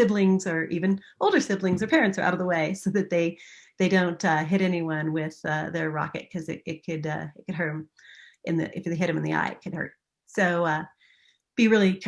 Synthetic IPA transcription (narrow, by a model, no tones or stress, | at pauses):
sɪblɪ̃ŋzə˞ʔivɨ̃nʔoʊlˠdə˞sɪblɪ̃ŋzə˞pʰɛɹɨ̃ntsə˞a̰ʊɾʌvðəweɪsoʊðɨt̪̚ðeɪðeɪdõʊ̃ntʌɦɪɾɛniwʌ̃nwɪð̥ʌ̰ðə˞ɹɑ̰kɨ̰t̚kʰʌzɨɾɪt̚kʰɨdʌ̰ɨt̚kɨd̚ɦɜ˞ɾ̃m | ʔɨ̰̃nðɨ̰ʔɨfðeɪɾɨ̃mɨ̃n̩ðia̰ɪɨ̰t̚kʰɨd̚hɜ̰˞t̚ | soʊʌ | b̥iɹɪlˠi